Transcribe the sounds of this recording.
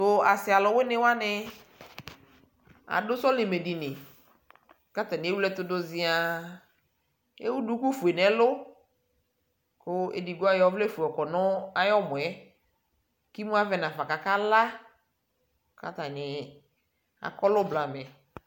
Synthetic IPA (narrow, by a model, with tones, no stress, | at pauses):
tʊ˨a˨sɪ˨a˨lɔ˨wɪ˦nɪ˦wa˦nɪ˦ | a̰˨dʊ˦sɔ˦lɪ˨me˨di˨nɪ˨ | ka˦t̪a˨nɪ˨˦e˦wu˦ɛ˦t̪ʊ˦dʊ˦zɪ˦a˨ | e˦wu˦du˦ku˦fu˨e˨nɛ˨lʊ˦ | kʊ˦ḛ˨di˨ɡʊ˦a˦jɔ˦vlɛ˦fu˨ɔ˨kɔ˨nɔ˦a˦jɔ˦mʊ̃˨ɛ˦ | ki˦mu˦a˦vɛ˨nã˨fa˨ka˨ka˦la˦ | ka̰˦t̪a˨nɪ˨ | a̰˨kɔ˦lʊ˦bla˨mɛ˨